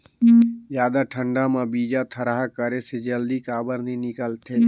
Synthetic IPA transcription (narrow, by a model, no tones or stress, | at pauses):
jaːd̪aʈʰə̃ɳɖamãbiːd͡ʒat̪ʰəɾaɦakəɾesed͡ʒəld̪ikaːbəɾnĩnɪkəlt̪ʰeː